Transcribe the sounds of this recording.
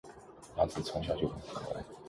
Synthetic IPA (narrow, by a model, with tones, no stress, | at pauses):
na˧˥t͡sɹ̩˨˩t͡sʰʊ˧˥ŋɕ̬ja˥˧t͡ɕjo˥˩ʊxə˧˥nʰɤ˧˥la̰˧˥˩ɪ